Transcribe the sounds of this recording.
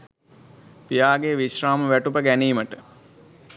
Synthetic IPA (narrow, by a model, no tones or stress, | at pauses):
pijaːɡeʋiɕraːməʋæʈupəɡæniːməʈə